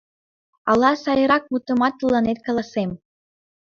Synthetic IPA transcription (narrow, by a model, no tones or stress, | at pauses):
ɑlˠɑsɑjɤ̆ɾɑk̚mut̪ə̆mɑt̪ːɤlːɑnet̪̚kɑlˠɑsem